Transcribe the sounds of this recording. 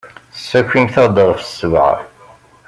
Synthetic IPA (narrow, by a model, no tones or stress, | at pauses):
sːækʷːimθɑd̪əʁˤfə̥sːəvʕa̰